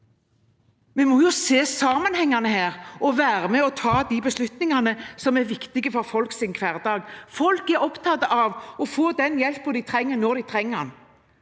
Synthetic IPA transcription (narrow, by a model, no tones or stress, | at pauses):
mɛmɔjʊseːsɑːmənhɛŋːɑnəhæːʁɔʋæːɾəmɛɔt̪ʰɑːd̪ibəslʉt̪nɪŋɑnəsɔmæɾʋɪkt̪ɪɡəfɔɾfɔlksɪnkʰʋæːʁd̪ɑːɡfɔlkɛɾɔpt̪ʰɑt̪əʔɑʋɔfoːd̪ɛnjɛlpːɔd̪ɪt̪ʰɾɛŋːəɾnɔʁd̪ɪt̪ʰɾɛŋːən